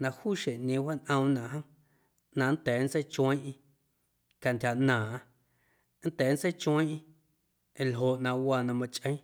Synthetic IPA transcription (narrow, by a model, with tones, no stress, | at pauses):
nã˧huː˦ʃe˨ʔɲẽ˧wa˦nʔə̃˧w̃nã˨ʔɦə̃˦ | nã˧n˦t̪ɛː˨˦n˦t͡se˦jt͡ʃə̃˦ʔĩ˧ | ka˨nt̪ʲa˨ʔnãː˨ʔ | n̩˦t̪ɛː˨˦n˦t͡se˦jt͡ʃwə̃˦ʔĩ˧ | ẽ˨lɦo˨ʔnã˧ʔwa˧˨nã˧mã˧t͡ʃʼʔə̃˦